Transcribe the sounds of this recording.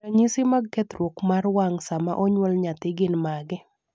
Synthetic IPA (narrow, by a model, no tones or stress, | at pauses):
aɲisɪmaɡ̚kɛt̪ɾwokmarwaŋsamaʔɔɲwɔlɲat̪ɪɡɪnmaɡɪ